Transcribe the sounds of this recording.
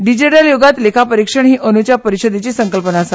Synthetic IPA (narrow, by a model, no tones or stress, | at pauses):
ɖid͡ʑiʈaljoɡat̪lekʰapəɾikʂəɳɦiːʔənut͡ɕapəɾiɕəd̪et͡ɕiːsəŋkəlpənaːsat̪